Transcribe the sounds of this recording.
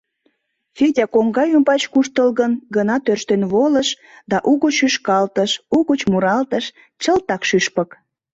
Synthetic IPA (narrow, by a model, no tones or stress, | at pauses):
fedʲɑkoŋɡɑjumpɑt͡ɕkuʃt̪əlɣənɡənɑt̪ørʃt̪enβoləʃ | d̪ɑʔuɣət͡ɕyʃkɑlt̪əʃuɣət͡ɕmuɾɑlt̪əʃ | t͡ɕəlt̪ɑkʃyʃpə̆k